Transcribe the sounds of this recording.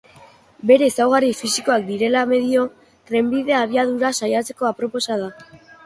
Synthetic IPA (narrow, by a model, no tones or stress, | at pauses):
be̞ɾe̞ːsawɣarifisiko̞akd̪iɾe̞lame̞ðio̞ | t̪ɾe̞mbiðe̞aβ̞iaðuɾasajat͡se̞ko̞apɾo̞po̞sað̞a